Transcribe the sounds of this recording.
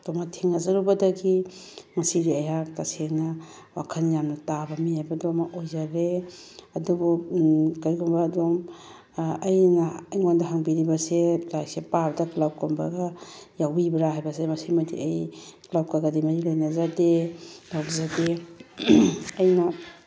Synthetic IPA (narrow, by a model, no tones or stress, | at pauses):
tɔmatʰiŋːazaɾubɐdɐɡiŋasiɡiɐjataseŋnɐ | wakʰɐnjamnɐtabɐmihajbɐdomaʔojzaɾeɐdubukajɡɔmbaːdomː | jnajŋondɐɦaŋbiɾibɐselajsepaɾdɐklawkɔmba̰ɡajawbibɾaɦajbɐsemɐsimɐdḭa̰jklawkaɡɐdimɐɾilojnɐzadelakzade | jnɐ